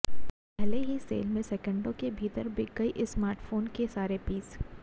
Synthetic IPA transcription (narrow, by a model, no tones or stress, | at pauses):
pɛɦleɦisḛːlmẽsɛkə̃ɳɖõkebʱiːt̪əɾbɪkəiʔsmaːɾʈfoːnkesaːɾepiːs